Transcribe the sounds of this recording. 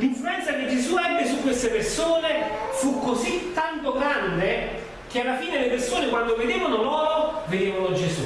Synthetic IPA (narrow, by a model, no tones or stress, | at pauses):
liɱfuɾɛnt̪sak̟ed͡ʒezuɛbːesukwest̪epersoːnefukːozit̪ːant̪oɡɾand̪e | k̟ealːafiːnelepersoːnekwand̪oved̪eːvanolɔːɾoved̪eːvanod͡ʒezṵ